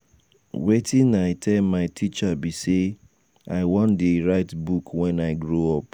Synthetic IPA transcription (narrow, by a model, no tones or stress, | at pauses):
wetĩnaɪtʰɛlmaɪtʰit͡ʃabise | aɪwɔ̃ndeɹaɪtbukwɛ̃naɪɡɹoɔp̚